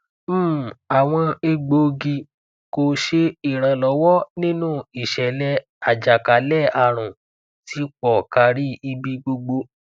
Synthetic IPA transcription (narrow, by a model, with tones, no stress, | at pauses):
m̩ː˦˨a˨w̃ɔ̃˧e˧ɡ͡bo˧ɡi˧ | ko˧ʃe˧i˨ɾ̃ã˧lɔ˨˦wɔ˦nĩ˦nũː˦˨i˨ʃɛ˨lɛ˧˦ | a˨d͡ʒa˨ka˨˦lɛ˦a˨ɾ̃ũ˨ | ti˨˦k͡pɔ˨ka˧ɾi˦i˧bi˧ɡ͡bo˧ɡ͡bo˧